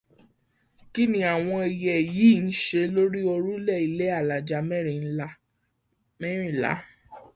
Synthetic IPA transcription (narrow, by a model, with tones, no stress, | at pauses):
ki˦nĩ˦a˨w̃ɔ̃˧i˧jɛ˨ji˨˦˨n̩˦ʃe˧lo˦ɾi˦o˧ɾu˦lɛ˦˨i˦le˦a˦˨la˨d͡ʒa˧˦mɛ˦˨ɾĩ˨n̩˦la˦ | mɛ˦ɾ̃ĩ˦˨la̰˨˦